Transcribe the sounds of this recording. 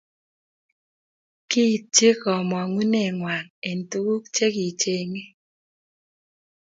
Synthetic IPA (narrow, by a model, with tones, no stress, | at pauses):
ki˦˨t͡ʃe˦kɔ˨mɔ˨ŋu˦ne˨ŋwa˨ne˨ntu˦ɡu˦kt͡ʃe˦ki˨t͡ʃe˨ŋe˦